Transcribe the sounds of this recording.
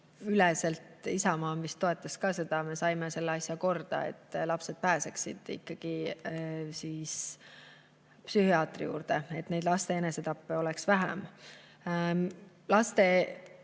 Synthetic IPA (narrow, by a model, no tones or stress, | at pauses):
ylɛse̞lt̪ˑisɑmɑːmvist̪ːo̞e̞t̪ːˑɑskɑːse̞d̪̥ɑme̞sɑjmese̞lːeɑsʲjɑko̞rd̪̥ɑ̰ḛt̪ːˑlɑpse̞d̪̥̚pæːseksid̪̥ḭkːɑɡ̥i | siːs | psyhiɑːt̪ˑrḭjṵːɾd̪̥e̞e̞t̪ːne̞jd̪̥lɑst̪e̞ene̞set̪ɑpːeo̞lɛksvæɦæ̰m | lɑst̪e̞